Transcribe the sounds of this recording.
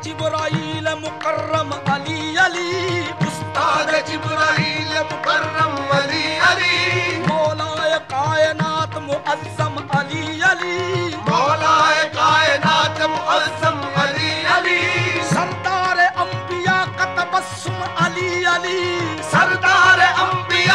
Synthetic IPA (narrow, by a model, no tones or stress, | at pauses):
d͡ʒɪbɾaiːlemʊkɐrːɐmɐliɐliʊst̪aːd̪d͡ʒɪbɾaiːlemʊkɐrːɐmɐliɐlimoːlaːjɐkaːjɐnaːt̪mʊʔɐzzɐmɐliɐlimoːlaːjkaːjɐnaːt̪mʊɐlzɐmɐliɐlisɐɾd̪aːɾeʔɐmbijaːkɐt̪ɐbɐs | umɐliːɐli | sɐɾd̪aːɾeɐmbi